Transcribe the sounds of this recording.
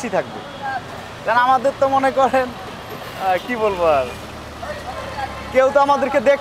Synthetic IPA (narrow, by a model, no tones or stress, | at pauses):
sit̪ʰak̚bḛ | kanamad̪eɾt̪omonekɔɾen | kibolboaɾ | kewt̪oamad̪eɾked̪ekʰ